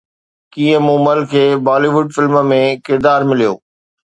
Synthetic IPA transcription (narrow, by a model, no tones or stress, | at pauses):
kĩːə̃mũːməlkʰeːbaːliʋʊɖfɪlməmẽkɪɾd̪aːɾmɪlijo̰ː